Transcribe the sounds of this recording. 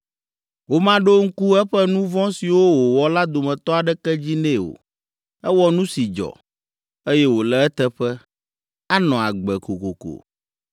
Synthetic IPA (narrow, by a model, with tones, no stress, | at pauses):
wo˦mã˦ɖo˦ŋ̩˦ku˦ɛ˦ɸɛ˦nũ˦vɔ̃˦si˨wo˦wo˨wɔ˨la˦d̪o˨mɛ̃˨t̪ɔ˦a˨ɖɛ˦kɛ˦d͡ʑi˦nɛ̃˦o̰˨ | ɛ˦wɔ˦nũ˦si˨d͡ʒɔ̰˨ | e˦jɛ˦wo˨lɛ˦ɛ˦t̪ɛ˦ɸɛ˦ | a˦nɔ̃˨a˨ɡ͡bɛ˨ko˨ko˨ko̰˨